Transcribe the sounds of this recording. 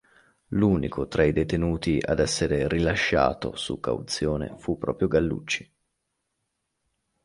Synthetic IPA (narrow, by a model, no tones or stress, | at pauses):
luːnikʰot̪ɾʔaid̪et̪enuːt̪iʔa̰d̪ɛsːeɾerilaʃːa̰ːt̪o̰sṵkːa̰wt̪sjoːnḛfupːɾɔːpɾjoɡalːṵt͡ʃːi̥